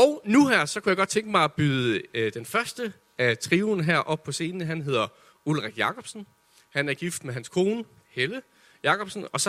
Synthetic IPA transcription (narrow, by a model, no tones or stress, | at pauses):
ɒʊnuɦæɐ̰sɒ̽kʰujäɪɡ̥ɒ̽d̥̚t͡sʰeŋɡ̥əmɑ̈ɪæb̥yðˠəd̥enfɶɐsd̥ə | æt͡sʰʁiːʊn̩ɦæɐ̰ʔɒ̽b̥̚pʰɒ̽se̝̰ːnnəɦænɦe̝ð̞̰ˠɐ | ulʁaɡ̥jɑ̈kʰɒ̽b̥sn̩ | hænæɐɡ̥ifd̥meɦænskʰo̝ːnə | helə | jɑ̈kɒ̽b̥sn̩ɒ̽s